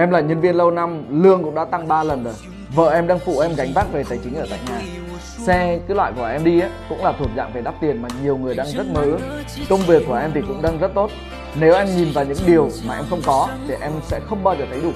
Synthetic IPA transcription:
ʔɛ˧mlaː˨˩ɲə˧nvi˧ənlə˧wna˧mlɨ˧əŋkʊ̰˧˥ŋ͡mɗaː˧˥t̪a˧ŋɓaː˧lə˨˩nzə˨˩j | və̰ː˧˨ʔɛ˧mɗaː˧ŋfṵ˧˩˨ʔɛ˧mɣa˨˦jŋ̟vaː˦˥t̚ve˨˩t̪aː˨˩jt͡ɕï˨˦ŋʔəː˧˩t̪a̰ː˧˨jɲaː˨˩ | sɛ˧kɨː˨˦lwa̰ː˧˨jku˧˩əʔɛ˧mɗi˧ʔaː˨˦kʊ̰˧˥ŋ͡mlaː˨˩u˧˩ət̚za̰ː˧˨ŋve˨˩ɗaː˦˥p̚t̪i˨˩ənmaː˨˩ɲi˨˩əwŋɨ˨˩əjɗaː˧ŋzə˦˥t̚məː˨˦˨ | kə˧wŋ͡mvi˨˩əkːu˧˩əʔɛ˧mt̪ʰi˨˩kʊ̰˧˥ŋ͡mɗaː˧ŋzə˦˥t̚t̪o˦˥t̚ | ne˨˦wʔɛ˧mɲi˨˩nvaː˨˩wɲɨ̰˧˥ŋɗi˨˩əwmaː˨˩ʔɛ˧mxə˧wŋ͡mkɔ˨˦t̪ʰi˨˩ʔɛ˧msɛ̰˧˥xə˧wŋ͡mɓaː˧zəː˨˩t̪ʰə˨˦jɗu˧˩

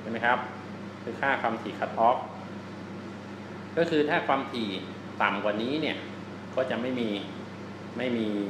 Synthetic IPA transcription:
t͡ɕʰa˥˩ma˦˥jkʰa˦˥p̚ | kʰɯː˧kʰaː˥˩kʰwaː˧mt̪ʰiː˨˩kʰa˦˥t̪̚ʔɔː˦˥k̚ | kɔː˥˩kʰɯː˧t̪ʰaː˥˩kʰwaː˧mt̪ʰiː˨˩ | t̪a˨˩mkwaː˨˩niː˦˥ni˥˩ɐ | kʰɔː˥˩t͡ɕa˨˩ma˥˩jmiː˧ | ma˥˩jmiː˧

